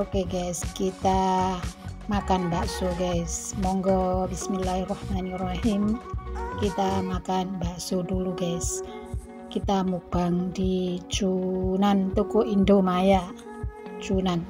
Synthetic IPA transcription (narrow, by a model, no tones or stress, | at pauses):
okeɡaskit̪a | makanbaʔsuɡasmɔŋɡɔbismilahrahmanirahimkit̪amakanbaʔsuduluɡas | kit̪amub̥aŋdit͡ʃunant̪ukoʔindomajaʔ | t͡ʃunan